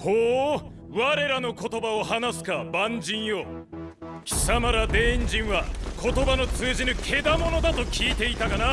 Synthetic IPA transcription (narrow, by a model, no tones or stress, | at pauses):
hoː | βaɾe̞ɾano̞ko̞t̪o̞baohanasɨ̥kabãɲd͡ʑĩɰ̃jo̞ | kʲi̥samaɾad̪e̞ːĩɲd͡ʑĩɰ̃βakʰo̞t̪o̞bano̞t͡sɨːʑinɯkʰe̞d̪amo̞no̞d̪at̪o̞kʲʰiːt̪e̞it̪akana